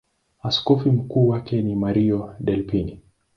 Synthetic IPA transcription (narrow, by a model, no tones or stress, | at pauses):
askɔfim̩kuːwakɛnimaɾiɔɗɛlpini